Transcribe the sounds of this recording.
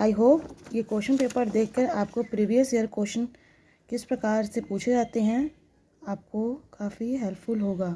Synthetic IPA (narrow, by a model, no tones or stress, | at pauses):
aːjɦoːpjekoːʃənpeːpəɾd̪eːkʰkɐɾaːp̚kopɾiːʋijəsjəɾkoːʃən | kɪspɾɐkaːɾsepuːt͡ʃʰd͡ʒaːt̪eɦɛ̃ | aːp̚kokʰaːfiɦɛlpʰfʊlɦoːɡaː